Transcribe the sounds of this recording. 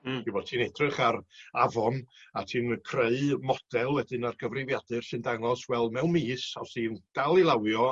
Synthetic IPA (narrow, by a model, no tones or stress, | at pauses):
dʰibɔd̚tʰiːnɛdrɨχaɾavɔnatʰiːnkʰreɨmɔd̥ɛlˠwɛdɨnarɡəvrɪvjadɨr̥sɨndaŋɔswɛlˠmɛwnmiːsawsiːnd̥alˠilˠawjɔ